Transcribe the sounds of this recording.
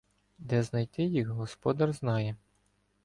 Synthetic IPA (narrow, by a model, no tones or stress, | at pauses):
d̪ɛznɐjt̪ɪjiɣɦɔspɔd̪ɐrznɑjɛ